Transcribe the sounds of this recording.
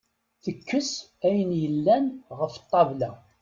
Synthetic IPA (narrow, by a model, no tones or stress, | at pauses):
θəkːəs | æjənjəlːænʁəfət̪ˤːɑvlæ